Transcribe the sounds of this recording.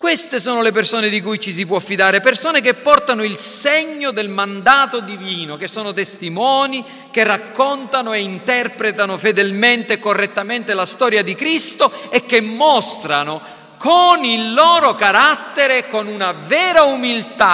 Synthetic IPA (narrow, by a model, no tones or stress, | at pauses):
kwest̪esɔːnolep̬ersoːned̪ikujt͡ʃis̬ipwɔfːid̪aːɾepersoːnek̬epːɔrt̪anoilseɲːod̪elmand̪aːt̪od̪iviːnok̟esːɔːnot̪est̪imɔːni | k̟erːakːɔnt̪anoeint̪ɛrpɾet̪anofed̪elment̪ekːorːet̪ːament̪elast̪ɔːɾjad̪ikɾist̪oɛk̟ːemːɔst̪ɾano | konilːɔːɾokaɾat̪ːeɾekonunavɛːɾaumilt̪a